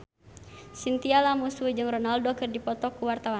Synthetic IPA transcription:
sint̪ialamusuid͡ʒɨŋrɔnaldɔkɨrdipɔt̪ɔkuwart̪awa

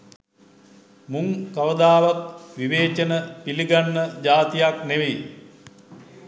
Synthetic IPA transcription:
muŋkɐʋəd̪aːʋat̪̚ʋiʋeːt͡ʃənəpiliɡanːəd͡ʒaːt̪ijakneʋe

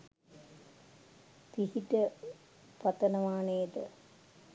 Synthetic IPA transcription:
t̪ihiʈə | pɐt̪ɐnɐʋaːnejd̪ə̰

